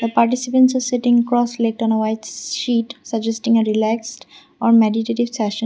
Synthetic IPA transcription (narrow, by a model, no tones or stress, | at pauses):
d̪əpaɾʈisipə̃nʈsɔsɪʈɪ̃ŋkɾɔslek̚ʈɔ̃nəwaɪtʃiʈsəɡd͡ʒesʈɪ̃ŋəɾilæksʈ | ɔɾmeɖiʈeʈiʋsɛʃə̃